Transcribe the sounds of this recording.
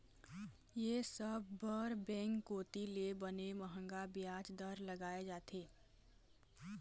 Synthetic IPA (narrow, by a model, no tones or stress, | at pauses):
jesəb̚ːəɾbɛ̃ːŋkːoːt̪ilebəneməɦə̃ŋɡabɪjaːt͡ʃd̪əɾləɡaːed͡ʒaːt̪ʰeː